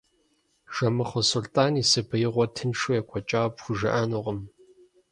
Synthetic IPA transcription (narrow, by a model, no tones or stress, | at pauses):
ʒ̥ɐmɨχɐsʊltʼaːniːsɨbʰɨjɪʁʷɔtʰɨnʂujɛkʷʰɔt͡ʃʼaːpxʷʊʒɐ̰ʔanuːʁəm